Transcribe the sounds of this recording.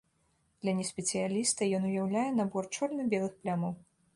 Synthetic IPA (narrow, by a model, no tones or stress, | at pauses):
d̪̥lʲɐnʲɛsʲpʲɛt̪sɨjalʲist̪ɐjɔnujawlʲajɛnabɔrt͡ʂɔlʲnɐbʲɛlˠɨxplʲamɐw